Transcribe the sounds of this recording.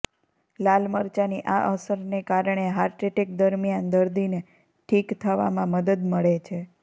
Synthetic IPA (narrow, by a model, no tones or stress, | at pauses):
lalməɾt͡ʃaniʔaʔəsəɾnekaɾɳ̃eɦaɾʈɾeʈek̚d̪əɾmijand̪əɾd̪ine | ʈʰikt̪ʰəʋa̰mãməd̪əd̪məɭet͡ʃʰe